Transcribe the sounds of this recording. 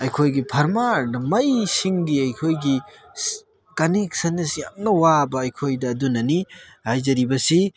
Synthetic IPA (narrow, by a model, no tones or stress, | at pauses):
ɐjkʰojɡipʰɐɾmaɾnɐmɐjsiŋɡiɐjkʰojɡi | kɐniksɐnesja̰mnɐwabɐːjkʰojdɐːdunɐnihajzɐɾibɐsi